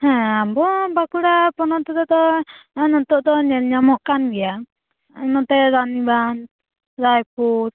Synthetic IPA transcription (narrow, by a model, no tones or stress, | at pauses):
hɛ̃abɔbakuɽapɔnɔt̪ɛd̪ɔd̪ɔnɔt̪ɔʔd̪ɔɲɛlɲamɔʔkanɡɛja | nɔt̪ɛɾaniban | ɾajpuɾ